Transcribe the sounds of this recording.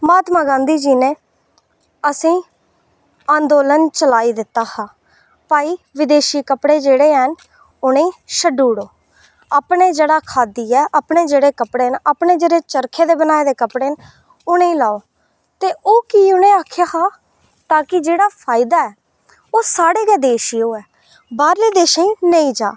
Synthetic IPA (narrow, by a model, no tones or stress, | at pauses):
maːt̪maːɡãːnd̪iːd͡ʒiːnẽː | əsĩː | ãːnd̪oːlənt͡ʃəlaːiːd̪ɪt̪ːaːhaː | paːiːʋɪd̪eːʃiːkəpɽeːd͡ʒeːɽeːɦən | ʊnẽːʃəɖuːɽoː | apɳeːd͡ʒeːɽaːkʰaːd̪iːɛːʔaːpɳeːd͡ʒeːɽeːkəpɽeːnaːpɳeːd͡ʒeːɽeːt͡ʃəɾkʰeːd̪eːbənaːed̪eːkəpɽeːn | ʊnẽiːlaːoː | t̪eːʔoːkiːʊnẽːaːkʰjaːhaː | t̪aːkɪd͡ʒeːɽaːpʰaːɪd̪aːɛː | oːsaːɽeːkɛːd̪eːʃiːoːɛː | baːɾliːd̪eːʃãĩːnəĩːd͡ʒaː